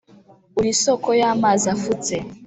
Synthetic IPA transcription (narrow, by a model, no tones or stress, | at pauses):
uɾisokojaːmazafut͡se